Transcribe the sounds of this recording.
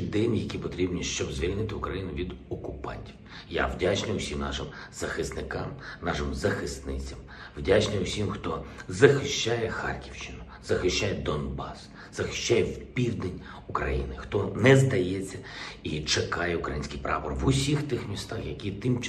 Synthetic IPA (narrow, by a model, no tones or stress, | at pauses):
d̪ɪnjɐkʲipɔt̪ɾʲibnʲiʃt͡ʃɔbzʲʋʲilʲnɪt̪ɪʊkɾɐjinʊʋʲid̪ɔkʊpɑ̰nʲtʲiw | ja̰wdʲat͡ʃnɪjʊsʲimnɑ̰ʃɪmz̥ɐxɪst̪nɪkɑmnɑʃɪmzɐxɪst̪nɪt͡sʲɐm | wdʲat͡ʃnɪjʊsʲimxt̪ɔzɐxɪʃt͡ʃːajɛxɑ̰rkʲiwʃt͡ʃɪnʊ | z̥ɐxɪʃt͡ʃːajɛd̪ɔnbɑs | z̥ɐxɪ̥ʃt͡ʃːajɛwpʲiwd̪enʲ | ʊkɾɐ̰jḭnɪxt̪ɔnɛzd̪ɐjɛt͡sʲːɐit͡ʃekɑjɛʊkɾɐ̰jinʲsʲkijpɾɑ̰pɔrʋʊsʲixt̪ɪxmʲist̪ɑxjɐkʲit̪ɪmt͡ʃ